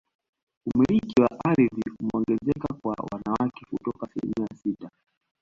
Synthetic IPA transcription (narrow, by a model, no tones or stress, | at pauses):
umiɾikiwaʔaɾiðiumɛɔŋɡɛzɛkakwa̰wa̰nawakɛkutɔkaːsilḭmiasita